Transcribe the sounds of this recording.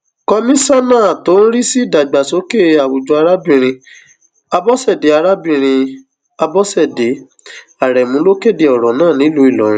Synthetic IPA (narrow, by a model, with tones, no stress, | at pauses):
kɔ˧mĩ˦sa˦nãː˦˨to˨˦n̩˦ɾi˦si˦˨da˨ɡ͡ba˨so˨˦ke˦˨˧a˨wo˨d͡ʒo˧a˧ɾa˦bĩ˦˨ɾ̃ĩ˧ | a˧bɔ˦sɛ˦˨de˨˦a˧ɾa˦bĩ˦˨ɾ̃ĩ˧ | a˧bɔ˦sɛ˦˨de˨˦ | a˨ɾɛ˨mũ˨˦lo˦ke˦˨de˨ɔ˨ɾɔ˨nãː˦˨nĩ˨˦lu˨˦i˦˨lɔ˨ɾ̃ĩ˦